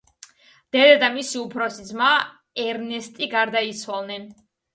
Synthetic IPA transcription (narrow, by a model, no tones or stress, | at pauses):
d̪̥ɛd̪ad̪amisiupʰɾɔsizma | ɛɾnɛst̪ʼiɡaɾd̪ait̪sʰwalˠnɛn